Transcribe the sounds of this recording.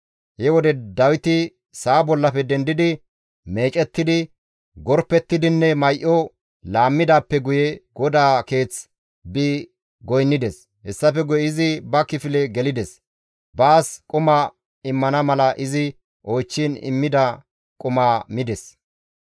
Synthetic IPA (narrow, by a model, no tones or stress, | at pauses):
hɛwɔd̪ɛd̪ɐwɪt̪ɪ | saːbɔlːɐpɛd̪ɛnd̪ɪd̪ɪ | me̞ːt͡ʃʼɛt̪ːɪd̪ɪ | ɡɔɾpːɛt̪ːɪd̪ɪnːɛmɐjʔɔ | laːmːɪd̪aːpːɛɡʊjɛɡ̥ɔd̪aːke̞ːt͡s | bɪ | ɡɔjnːɪd̪ɛs | hɛsːɐfɛɡʊjɛɪzɪbɐkɪfɪlɛɡɛlɪd̪ɛs | baːskʼʊmɐ | ɪmːɐnɐmɐlɐʔɪzɪ | ʔojt͡ʃːinɪ̰mːɪd̪a | kʼʊmaːmɪd̪ɛs